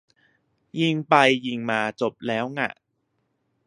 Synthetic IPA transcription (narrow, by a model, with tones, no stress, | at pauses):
ji˧ŋpa˧jːi˧ŋmaː˧t͡ɕo˨˩p̚lɛː˦˥wŋa̰˧˩